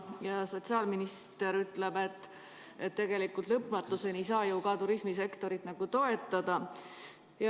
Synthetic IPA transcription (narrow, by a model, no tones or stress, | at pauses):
jɑso̞t̪siɑːlminist̪e̞ɾyt̪ːˑle̞be̞t̪ːˑ | et̪ːe̞ɡe̞likːˑult̪lɤpːˑmɑt̪ˑlusenijsɑːjuwkɑt̪uɾismise̞kt̪o̞ɾit̪nɑɡ̥ut̪o̞e̞t̪ːˑɑd̪̥ɑ | jɑ